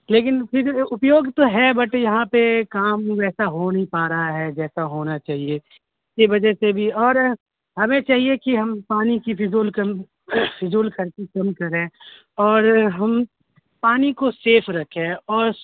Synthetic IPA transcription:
leːkɪnpʰɪɾʊpjoːɡt̪oɦɛbɐʈjɐɦãpekaːmʋɛːsaɦonɐɦĩpaːɾaɦaɦɛd͡ʒɛːsaɦoːnat͡ʃaːɦie | ɪskiʋɐd͡ʒəsebʱiɔːɾ | ɦɐmẽt͡ʃaːɦiekiɦɐmpaːnikipʰɪzoːlkɐm | pʰɪzoːlkʰɐɾkikɐmkɐɾẽː | ɔːɾɦɐm | paːnikoseːpʰɾɐkʰẽɔːɾ

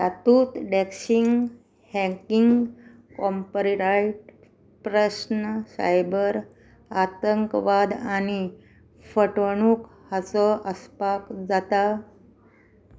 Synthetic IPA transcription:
t̪at̪uːt̪ɖɛkɕiŋɡ | hɛ̃kiŋɡ | kɔmpɾiɾaiʈ | pɾəsnəsa̰jbəɾ | at̪əŋkʋad̪ani | fəʈʋəɳ̃uːk | hat͡səʔəspakd͡zat̪a

